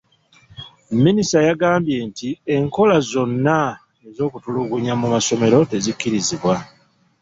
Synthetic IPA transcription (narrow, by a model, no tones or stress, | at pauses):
minisajaɡaːmbje̞ntie̞ŋko̞lazo̞nːa | e̞zo̞ːkutuluɡuɲamumaso̞me̞ɾo̞te̞zikːiɾiziβwa